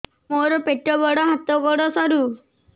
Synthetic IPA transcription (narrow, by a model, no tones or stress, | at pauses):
moɾɔpeʈɾɔbɔɽɔɦat̪ɔkɔɽɔsɔɾu